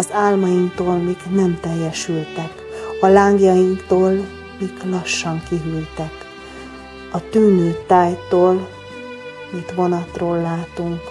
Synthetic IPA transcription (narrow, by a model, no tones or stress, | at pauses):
ɒzaːlmɒjiŋkt̪oːlmiːɡnɛmt̪ɛjːɛʃylt̪ɛk | ɒlaːŋɡjɒjiŋkt̪oːl | miːɡlɒʃːɒŋkiɦylt̪ɛk | ɒt̪yːnøːt̪aːjt̪oːl | mit̪ʋo̞nɒt̪roːlːaːt̪uŋk